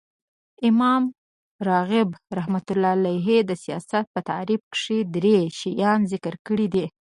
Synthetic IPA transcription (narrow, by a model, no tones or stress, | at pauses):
ɪmɑm | ɾɑɣɪbɾahmat̪ʊlɑlajɦed̪əsijɑ̰sat̪̚pət̪a̰ɾib̚kʂed̪ɾeʃijɑnzɪkəɾkəɽid̪i